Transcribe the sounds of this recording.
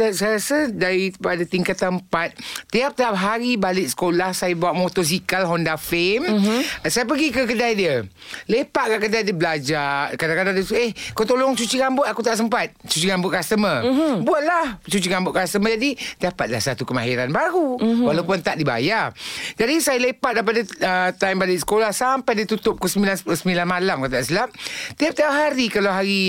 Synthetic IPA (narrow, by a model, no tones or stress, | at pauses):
sajasədaɾipadat̪iŋkat̪əmpat̪̚t̪ːiap̚t̪iap̚ɦaɾibalɪʔ̚sə̥kolahsajabawaʔmot̪ɔs̬ikalɦɔndafemsajapəɡikəkədajdiə | lepaʔɡaʔkədajdibəlad͡ʒakadakadaŋdət̪uehkawt̪olɔŋt͡ʃut͡ʃiɡambʊt̪akut̪aʔs̬əmpat̪̚t͡ʃut͡ʃiɡambʊʔkast̪əməbuat̪̚laht͡ʃut͡ʃiɡambʊʔkast̪əməd͡ʒadidapat̪̚lahsat̪ukəmaɦiɾanbaɣuwalaupʊnt̪aʔdiba̰jad͡ʒadisajalepat̪̚dajpadaət̪ambalisə̥kolahsampajdit̪ut̪ʊp̚kəsəmilansəsəmilanmalamkat̪̬asilam̚t̪iap̚t̪aɦaɾikalawɦaɾi